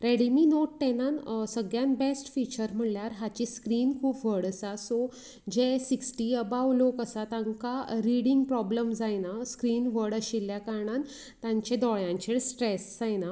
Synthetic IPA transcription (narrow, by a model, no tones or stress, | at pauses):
ɾeɽimiːnoʈːenansəɡɭjãnbesʈfit͡ɕəɾm̤əɽljaɾɦat͡ɕiskɾiːnkʰuːpʋəɽəsasɔ | d͡ʑesiksʈiəbawlokəsat̪aŋkaɾiɽiŋɡpɾɔbləmd͡zajnaskɾiːnʋəɽəɕilːjakaɾɳan | t̪ãɲt͡ɕed̪ɔɭjãɲt͡ɕeɽsʈɾesd͡zajna